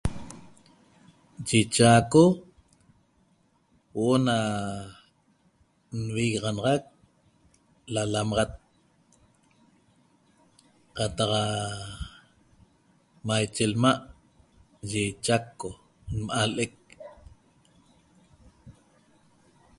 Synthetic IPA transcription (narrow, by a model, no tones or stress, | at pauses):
t͡ʃit͡ʃaːko | woʔona | nwiɣeʁɑnɑʁɑk̚ | lalamɑʁɑt̪̚ | qɑt̪ɑqa | majt͡ʃelmaʔ | ʒet͡ʃakːo | nmʔalʔek̚